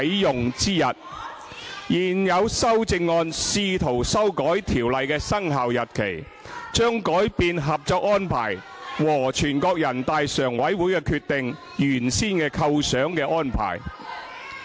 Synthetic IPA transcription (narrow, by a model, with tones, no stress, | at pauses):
jjʊ˨ŋt͡siː˥jɐ˨t̚ | jiː˨˩njɐ˨˧wsɐ˥wt͡sɪ˧ŋːɔː˧nsiː˧t̪ʰo˨˩wsɐ˥wkɔː˨˥jt̪ʰiː˨˩wlɐ˨jkɛː˧sɐ˥ŋɦaː˨wjɐ˨˩t̚kʰḛ˨˩j | t͡ʃœː˥ŋkɔː˨˥jpiː˨˧nɦɐ˨p̚t͡sɔː˧k̚ɔː˥npʰa̰ː˨˩j | wɔː˨˩t͡ʃʰyː˨˩nkɔː˧k̚jɐ˨˩nt̪aː˧jsœː˨˩ŋwɐ˨˥jwuː˨˥jkɛ˧kʰyː˧t̪ɪ˨˧ŋ | jyː˨˩nsiː˥nkɛː˧kʰɐ˧wsœː˨˥ŋkɛː˧ʔɔː˥npʰa̰ː˨˩j